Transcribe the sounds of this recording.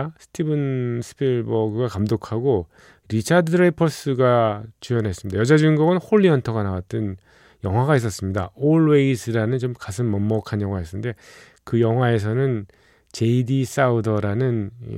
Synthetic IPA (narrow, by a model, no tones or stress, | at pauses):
sʰɯ̥tʰibɯnsʰɯ̥pʰiɭbʌɡɯɡakamdokʰaɡo | ɾit͡ɕʰadɯɾepʰʌs͈ɯɡat͡ɕujʌnɦe̞s͈ɯmɲidajʌd͡ʑad͡ʑuiŋɡuɡɯnhoɭːiʌntʰʌɡanawat̚t͈ɯn | jʌŋɦwaɡais͈ʌs͈ɯmɲidaoɭwe̞isʰɯɾanɯnt͡ɕomkas̬ʰɯnmʌmːʌkʰanjʌŋɦwaɦes͈ʌnde̞ | kɯjʌŋɦwae̞s̬ʰʌnɯn | t͡ɕe̞idis͈audʌɾanɯn̰